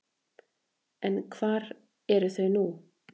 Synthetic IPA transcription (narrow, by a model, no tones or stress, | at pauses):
ɛnkʰv̥aːɾ | ɛɾθɛnuː